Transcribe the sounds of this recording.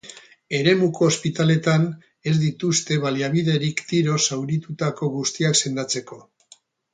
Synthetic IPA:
e̞ɾe̞muko̞ːspit̪ale̞t̪an | e̞zd̪it̪ust̪e̞βaliaβiðe̞ɾikt̪iɾo̞sawɾit̪ut̪ako̞ɣust̪iakse̞nd̪at͡se̞ko̞

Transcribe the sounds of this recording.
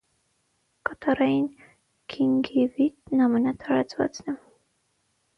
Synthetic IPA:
kɑt̪ʰɑɾɑjin | kʰiŋɡivit̪̚nɑmɛnɑt̪ʰɑɾɑt͡svɑ̰t͡snɛ

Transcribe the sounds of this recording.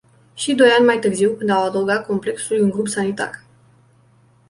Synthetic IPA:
ʃid̪o̞janʲmajt̪ɨrziwkɨnd̪awad̪əwɡat̪̚kʰo̞mple̞ksuljʲuŋɡɾupsanit̪a̰r

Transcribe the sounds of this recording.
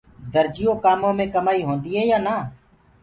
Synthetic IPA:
d̪əɾd͡ʒɪjõːkaːmõːmẽːkəmaːiːɦõːnd̪iːɦɛːjaːnaː

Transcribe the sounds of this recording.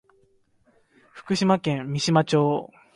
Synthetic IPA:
ɸɯ̥kɯ̟ɕimakẽ̞mːʲiɕimat͡ɕo̞ː

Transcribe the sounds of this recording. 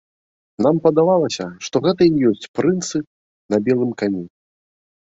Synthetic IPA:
nampɐd̪avalˠɐsʲɐʂt̪ɔɣɛt̪ɐijɔsʲt͡sʲpɾɨnt̪sɨ | nɐbʲɛlˠɨmkanʲɛ

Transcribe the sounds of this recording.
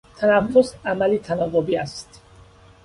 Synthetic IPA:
t̪ʰænæfːosæmælit̪ʰænɒːɣobiːæst̪

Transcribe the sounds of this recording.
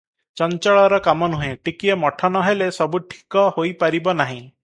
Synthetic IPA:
t͡ʃɔnt͡ʃɔɭɔɾɔkamɔnuɦẽʈikiemɔʈʰɔnɔɦelesɔbuʈʰi̥kɔhojpaɾibɔnaɦĩ

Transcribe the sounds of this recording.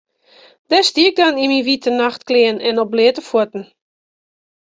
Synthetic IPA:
dɛstiəɡ̚danimiʋitʰənaxtklɪːənɛnɔp̚blɪətəfwuətn̩

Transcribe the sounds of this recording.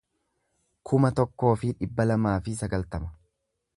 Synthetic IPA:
kʰʊmɐt̪ɔkːo̞ːfɪᶑɪbːɐlɐmaːfɪs̬ɐɡɐlt̪ɐmɐ̥

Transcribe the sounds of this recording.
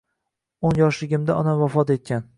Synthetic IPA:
onjɒʃlɪɡʲɪmd̪aɒnavɒfɒt̪e̞t̪̚kʲan

